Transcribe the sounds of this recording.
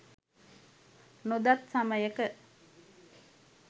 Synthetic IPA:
nud̪at̪saməjəkə

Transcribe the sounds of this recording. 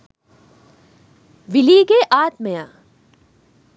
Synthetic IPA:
ʋɪliːɡeʔaːt̪məjaː

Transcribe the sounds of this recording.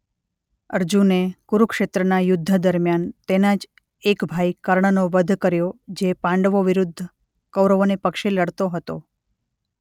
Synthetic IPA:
əɾd͡ʒunekuɾukʃet̪ɾənajʊd̪ʱːəd̪əɾmjant̪enãd͡ʒ | ekbʱaikəɾɳənoʋəd̪ʱkəɾjod͡ʒepãɳɖʋoʋɪɾʊd̪ʱː | kəwɾəʋonepəkʃiləɽt̪oɦət̪o̰

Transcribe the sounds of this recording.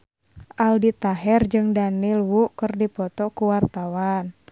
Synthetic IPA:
ʔaldit̪aɦɛrd͡ʒɨŋdanilwuʔkərdipɔt̪ɔkuwart̪awan

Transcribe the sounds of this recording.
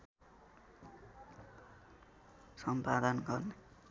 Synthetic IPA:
sʌmpad̪anɡʌrne

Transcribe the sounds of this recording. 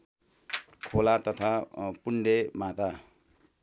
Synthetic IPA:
kʰolat̪ʌt̪ʰapuɳɖemat̪a

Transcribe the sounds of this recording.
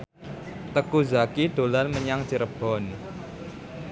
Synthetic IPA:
t̪əkuzakiɖ̪̥o̤lanməɲaŋt͡ʃiɾəb̥ɔn

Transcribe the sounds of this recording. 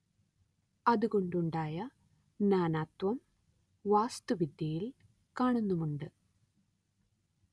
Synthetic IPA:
ɐðuɣo̞ɳɖuɳɖaːjɐ | naːnaːt̪wɐm | ʋaːst̪uʋid̪jɐjil | kaːɳunːumuɳɖɨ

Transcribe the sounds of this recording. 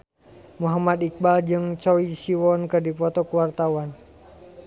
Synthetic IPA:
muɦamad̪ik̚bald͡ʒɨŋt͡ʃɔisiwɔnkɨrdipɔt̪ɔkuwart̪awan

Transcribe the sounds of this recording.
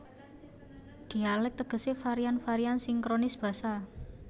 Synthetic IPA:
d̪̥i̤alɛk̚t̪əɡ̥ə̤sefaɾianfaɾiansɪŋkɾonɪsb̥ä̤sa

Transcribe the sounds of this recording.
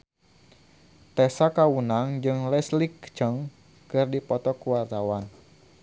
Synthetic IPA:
t̪ɛsakawunaŋd͡ʒɨŋlɛslikt͡ʃəŋ | kɨrdipɔt̪ɔkuwart̪awan

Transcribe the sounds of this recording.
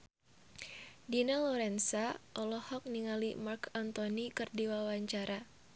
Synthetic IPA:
dinalɔɾɛnsaʔɔlɔhɔk̚niŋalimarkɔnt̪ɔnikɨrdiwawaɲt͡ʃaɾʔa

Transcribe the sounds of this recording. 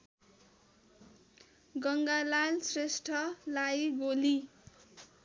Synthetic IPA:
ɡʌŋɡalalsresʈʰʌlajɡoli

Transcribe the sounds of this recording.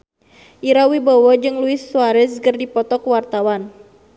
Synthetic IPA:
ʔiɾawibowɔd͡ʒɨŋluɪsːuaɾɛskərdipɔt̪ɔkuwart̪awan

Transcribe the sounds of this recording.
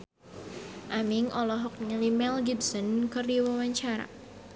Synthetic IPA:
ʔamiŋɔlɔɦɔk̚ɲəlimɛlɡidsɔnkɨrdiwɔwaɲt͡ʃaɾa̰

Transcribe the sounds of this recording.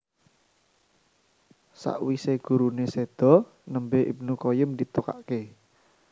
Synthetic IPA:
sa̰ʔwiseɡ̥ṳɾunesed̪̥ɔ̤ | nəmbeʔḭb̚nukɔjʊmd̪it̪uka̰ʔke

